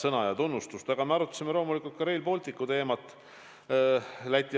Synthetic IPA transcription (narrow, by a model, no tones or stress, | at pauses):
sɤnɑjɑt̪unːust̪ust̪ɑɡ̥ɑme̞ɑɾut̪ːˑɑ̥simelo̞ːmulikult̪̚kɑɾe̞jlpo̞ːlʲt̪ikːˑut̪e̞ːmɑt̪ːˑ | læt̪ʲːˑi